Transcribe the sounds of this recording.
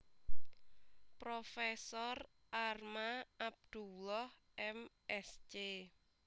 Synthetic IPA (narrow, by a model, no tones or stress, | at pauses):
pɾofɛsɔrʔarmaab̚d̪̥ulɔh | ʔɛm | ɛst͡ʃe